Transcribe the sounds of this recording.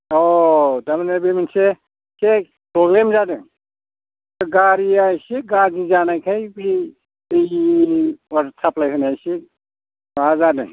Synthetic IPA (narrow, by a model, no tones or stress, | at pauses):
ɔtamanebemanse | kek | pɾɔɡlemzadɯ | ɡaɾiajsiɡazizanajkʰajbɾi | ej | waɾsaplajɦɯnajsi | bazadɯ